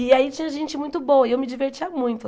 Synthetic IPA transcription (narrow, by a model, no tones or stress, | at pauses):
ɪait͡ʃĩɲɐʒẽnt͡ʃɪmũj̃t̪ʊbõwɐewmɪd͡ʒiveɾt͡ʃiɐmũj̃t̪ʊ